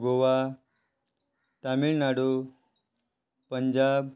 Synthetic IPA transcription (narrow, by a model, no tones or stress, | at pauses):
ɡʱoʋa | t̪amiːɭnaɽo | pəɲd͡ʑab